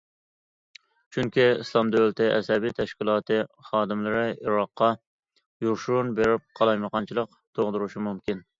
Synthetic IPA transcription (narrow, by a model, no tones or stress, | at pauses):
t͡ʃʰyŋkʲiislˠɑmd̪ølɪt̪ʰɪʔɛ̰sɛbijt̪ʰɛʃkʲilˠɑːt̪ʰɨχɑːd̪ɨmlˠɨɾɪiɾɑqːɑ | juɾʃunbeɾɪp̚qʰɑlˠɑjməqɑnt͡ʃʰilˠəq | t̪ʰoʁd̪ɨɾuʃimumkʲin